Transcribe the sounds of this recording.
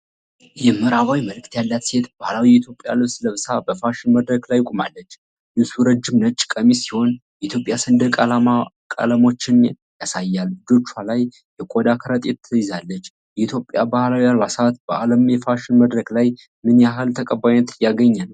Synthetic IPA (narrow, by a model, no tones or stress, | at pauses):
jɛmːɨɾaβawiməlɨk̚t̪jalːat̪se̞t̪bahlawiit̪ʰjo̞pʼja̰lɨβsləβsabəfaʃɪnməd̪ɾəkʼlajkʼumalːət͡ʃː | ʔɨsuɾəd͡ʒːɪmnət͡ʃʼːkʼəmisiho̞njɛʔit̪ʰjo̞pʼjasɨnd̪əkʼlamakʼə̰ləmo̞t͡ʃːɪn | jasajːalɨd͡ʒ̪o̞t͡ʃːwalaj | jɛkʼod̪akʰəɾət̪ʼet̪ʰːəjɪzalːət͡ʃː | jɛit̪ʰjo̞pʼːjabahlawijalwasat̪bəʔaləmjɛfaʃɪnməd̪ɾəklaj | mɨnjaɦɨlt̪ʰəkʼəbːajnːət̪jaɡəɲːal